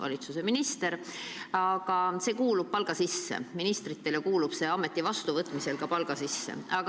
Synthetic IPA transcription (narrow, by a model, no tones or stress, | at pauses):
vɑ̰lit̪suse̞minist̪e̞ɾɑɡ̥ɑse̞ːkuːlub̥̚pɑlɡ̥ɑsisːḛminist̪rit̪ːe̞lekuːlub̥se̞ːɑme̞t̪ˑːivɑst̪uvɤt̪ːˑmise̞lkɑpɑlɡ̥ɑsisːe̞̰ɑk